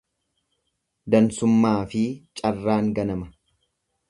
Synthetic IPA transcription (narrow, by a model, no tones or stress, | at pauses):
d̪ɐnsʊmːaːfɪt͡ʃʼɐrːaːŋɡɐnɐmɐ̥